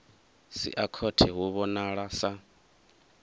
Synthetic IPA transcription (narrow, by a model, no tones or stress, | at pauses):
sḭʔakʰɔtʰɛɦuβɔnaɺasa